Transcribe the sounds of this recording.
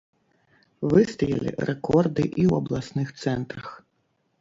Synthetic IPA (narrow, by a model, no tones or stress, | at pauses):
vɨst̪ɐjɐ̰lʲḭrɛkɔrd̪ɨʔiwɐblˠasnɨxt̪sɛnt̪ɾɐx